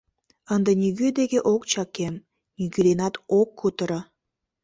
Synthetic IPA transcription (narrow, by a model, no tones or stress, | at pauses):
ənd̪enʲiɣød̪ekeʔokt͡ɕɑkem | nʲyɡyd̪enɑt̪okːut̪əɾə